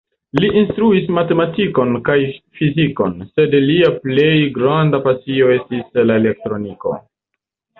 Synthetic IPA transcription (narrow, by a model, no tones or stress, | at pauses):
liʔinstɾuismate̞matiko̞nkajfiziko̞̰nse̞dliaple̞jɡɾandapasio̞e̞stislaele̞k̚tɾo̞niko̞̰